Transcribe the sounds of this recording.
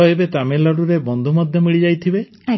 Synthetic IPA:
ɔebet̪amelɔɽuɾebɔnd̪ʱumɔd̪ʱjɔmiɭid͡ʒajt̪ʰibe | a

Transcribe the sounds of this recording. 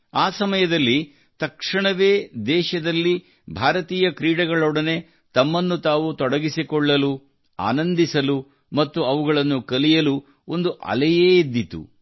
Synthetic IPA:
aːsɐmɐjɐd̪ɐlːi | t̪ɐkʂiɳɐʋeːd̪ɛːʃɐd̪ɐlːi | bʱaːɾɐt̪iːjɐkɾiːɽɐɡɐɭɔːɽɐne̞ | t̪ɐmːɐnːut̪aːʋut̪ɔɽɐɡisikɔɭːɐlu | a̰ːnɐnd̪isɐlu | mɐt̪ːuɐʋuɡɐɭɐnːukɐlijɐlu | o̞nd̪uʔɐ̰lɛjeːid̪ːit̪ṵ

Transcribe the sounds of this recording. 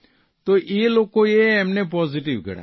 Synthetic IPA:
t̪oːeːloːkojeɛmnepɔːzɪʈiʋkə̰ɽa̰ː

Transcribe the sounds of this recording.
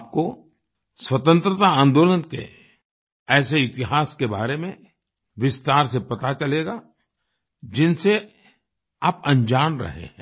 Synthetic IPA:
aːp̚ko | swɐt̪ə̃nt̪ɾət̪aãːnd̪oːlənkḛ | ɛːseɪt̪ɪɦaːskeba̰ːɾemẽ | ʋɪst̪aːɾsepɐt̪at͡ʃɐleːɡa | d͡ʒɪnse | apɐ̃ɲd͡ʒaːnɾɐ̰ɦḛɦɛ̃ː

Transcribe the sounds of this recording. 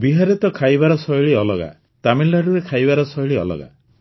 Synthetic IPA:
biɦaɾit̪ɔkʰajbaɾɔsɔiɭiɔlɔɡa̰ | t̪amilːaɖuɾekʰajbaɾɔsɔjɭiɔ̰lɔ̰ɡa̰

